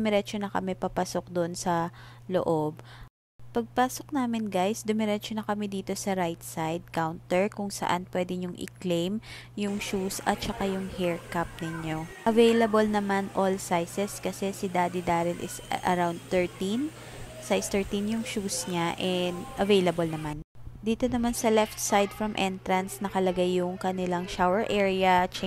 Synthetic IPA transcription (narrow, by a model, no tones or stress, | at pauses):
mɛɾɛt͡ʃonɐkɐmɛpɐpɐsok̚d̪oʔnsɐ | loʔob̚ | pɐɡ̚paːsok̚naːmɪnɡajsd̪ʊmɛɾɛt͡ʃonɐkɐmɛd̪iːt̪o̞sɐɾajt̪sajd̪̚kawnt̪ɛɹkʊŋsɐ̰ʔanpwɛd̪ɪɲʊŋʔɪ̰klejmjʊŋʃusɐ̰t̪̚t͡ʃɐkajʊŋhɛɹkap̚nɪɲo̞ʔɐvejlɐbolnɐmanʔolsajsɛskɐsɛsɪd̪aːd̪ɪd̪aːɾɪlʔɪsʔɐ̰ɾawnd̪̚t̪ɛɹt̪in | sajst̪ɛɹt̪injʊŋʃuːsɲaʔɛnd̪ʔɐvejlɐbolnɐmand̪iːt̪o̞nɐmansɐlɛft̪̚sajd̪fɹɐmʔɛnt̪ɾɐnsnɐkɐlɐɡajːʊŋkɐnɪlaŋʃawɛɹʔɛɹɪɐt͡ʃɛ